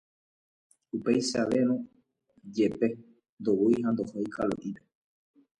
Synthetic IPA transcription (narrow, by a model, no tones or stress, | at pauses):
upejʃaʋe̞ɾ̃õ | d͡ʒe̞pe̞ | nd̪owujɦand̪o̞hojkʰalo̰ʔipe